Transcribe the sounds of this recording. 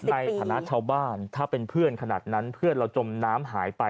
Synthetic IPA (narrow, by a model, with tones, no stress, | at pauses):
na˧jt̪ʰaː˩˦na˦˥ʔt͡ɕʰaː˧wbaː˥˩nt̪ʰaː˥˩pe˧npʰɯ˥˩ənkʰa˧na̰ː˨˩t̪̚na˦˥npʰɯ˥˩ənɾa˧wt͡ɕo˧mnaː˦˥mɦaː˩˦jpa˧j